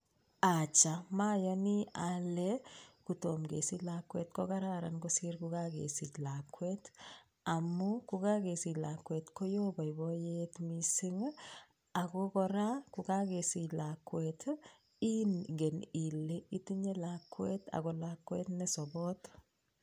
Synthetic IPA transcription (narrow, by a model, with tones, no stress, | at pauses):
at͡ʃa˨ma˦ja˦ni˦alɛkutomɡḛ˨si˦lakːwḛ˦t̚kɔɡa˦ɾa˦ɾa̰˨nɡɔsi˦ɾkuɡaɡḛsi˨ɟla˨kːwet | a˨mːu˦kuɡa˦ɡe˨si˨la˨kːwe˨tkɔ˦jɔ˦ba˨jbɔjetmisi˦ŋ | a˨ɡɔkɔ˦ɾa˦kuɡa˦ɡe˨si˨lakːwet | i˦nɡe˨ni˨lːei˦ti˦ɲe˦lakːwe˦t̪a̰˨ɡɔ˨lakːwḛ˦tnɛ˦sɔ˨bɔ˦t